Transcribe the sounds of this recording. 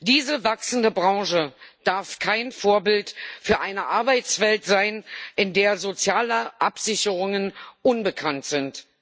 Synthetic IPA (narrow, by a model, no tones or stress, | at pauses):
d̥iːzəvaksn̩dəbʁɑ̃ŋʃəd̥aɐfkʰaɪnfoːɐbɪltfyːɐʔaɪnəʔaɐbaɪt͡sv̥ɛltz̥aɪnʔɪndeːɐzot͡sjaːləʔapz̥ɪçəʁʊŋənʔʊnbəkʰantz̥ɪnt